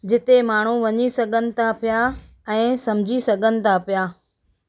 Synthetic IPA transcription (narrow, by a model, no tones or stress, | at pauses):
d͡ʑɪt̪emaːɳ̤uʋɐɲisɐɡʱənɪ̆t̪ʰapija | ɛ̃ːsɐmd͡ʑʱisɐɡʱənɪ̆t̪ʰapijaː